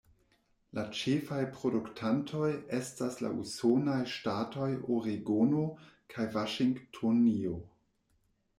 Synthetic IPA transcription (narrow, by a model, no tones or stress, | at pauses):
lat͡ʃefajpɾo̞duktʰantʰo̞je̞stasla̰ʔṵsonajʃtato̞joɾiɡonokʰajvaʃiŋɡtʰonio